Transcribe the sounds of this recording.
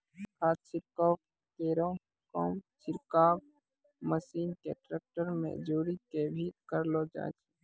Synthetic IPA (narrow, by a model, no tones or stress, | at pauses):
kʰaːt̪t͡ʃɪɾkɔːk | keːɾo | kɔ̰ːmt͡ʃɪɾkaːb | məsiːnkḛʈɾeːk̚ʈəɾmḛ̃d͡ʒuːɾikebʱikəɾlod͡ʒa̰ːt͡ʃi̥